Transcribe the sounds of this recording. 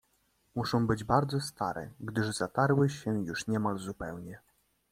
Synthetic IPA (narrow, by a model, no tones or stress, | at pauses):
muʂɔ̃w̃bɘd͡ʑbaɾd̪zɔst̪a̰ɾɛ̰ɡd̪ɘʐz̥at̪aɾwɘɕɛjuʂɲɛmalzupɛwɲɛ